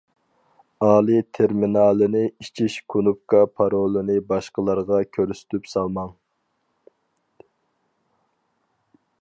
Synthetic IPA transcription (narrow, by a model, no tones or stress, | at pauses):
ɑːlˠit̪ʰeɾminɑːlˠɨnɪit͡ʃʰiʃkʰunup̚kɑpʰɑɾolˠɨnɪbɑʃqəlˠɑɾʁɑkʲʰøɾsy̥t̪ʰypsɑlˠmɑŋ